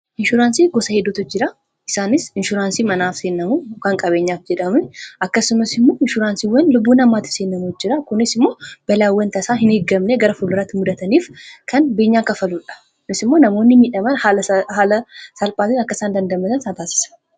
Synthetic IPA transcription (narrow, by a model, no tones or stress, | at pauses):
ʔɪnʃʊɾaːnsiɡɔsɐhed̪ɔt̪ɔt͡ʃd͡ʒɪɾa | ʔɪsaːnɪsɪnʃʊɾaːnsimɐnaːfsenːɐmukaŋkʼɐβeːɲːaːfd͡ʒɛᶑɐmʊnʔɐkːɐsɪmɐsɪmːoːɪnʃʊɾaːnsiwɐnlʊbːunɐmːaːt̪ɪ̥sɪnːɐmud͡ʒɪɾakʊnɪsɪmːo̞ːbɐlawːɐnt̪ɐsaɦɪnhɪɡːɐmneɡɐɾɐfʊlɾɐt̪ːmʊd̪ɐt̪ɐnifkʰɐnbeːɲːakɐfɐluᶑɐ̥ | kʊnɪsɪmːo̞nɐmo̞nːɪmiːᶑɐmɐnhalɐhalɐsɐlpʼaːt̪ɪɐkːɐsand̪ɐnd̪ɐmːɐt̪ɐnsat̪aːsɪ̥sɐ̥n